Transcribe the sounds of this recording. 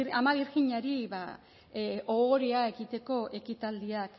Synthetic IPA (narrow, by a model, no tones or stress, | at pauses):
amaβiɾɣiɲaɾiβa̰ | ʔooɾeae̞ɣit̪e̞ko̞ʔe̞kit̪ald̪iak